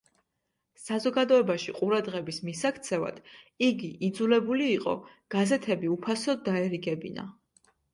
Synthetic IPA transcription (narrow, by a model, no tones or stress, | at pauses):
sazɔɡad̪ɔɛbaʃiqʼuɾad̪ʁɛbismisakʰt̪sʰɛva̰d̪̥iɡiʔid̪zulɛbuliːqʼɔ̰ | ɡ̥azɛt̪ʰɛbiupʰasɔd̪̚ːaɛɾiɡɛbḭna̰